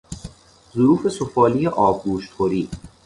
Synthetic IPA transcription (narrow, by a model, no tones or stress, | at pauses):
zoɾuːfe̞sofɒːlijeʔɒːbɡuːʃt̪χoɾiː